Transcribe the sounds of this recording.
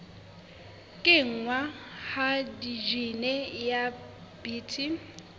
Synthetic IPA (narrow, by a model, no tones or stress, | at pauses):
kʼɪŋ̩ŋwahadid͡ʒinɛja | biːtʰi